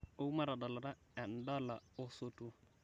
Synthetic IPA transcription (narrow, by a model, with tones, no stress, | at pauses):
o˦u˦ma˦ɾa˨da˨la˨ɾa˦ | ɛ˨n̩˨da˦la˨o˦so˦tu˦